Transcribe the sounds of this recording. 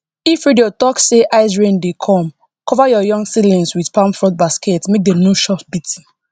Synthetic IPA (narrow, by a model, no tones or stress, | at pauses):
ifɹidiotɔkseʔaɪs̬ɹẽndekʰɔ̃m | kɔvajɔjɔ̃ŋɡsilĩnswidpãmfɹɔ̃t̚basketmek̚denjuʃɔfbitʰi̥